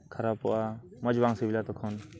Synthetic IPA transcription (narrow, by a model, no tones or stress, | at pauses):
kʰaɾapɔʔamɔd͡ʒbaŋsibilat̪ɔkʰɔn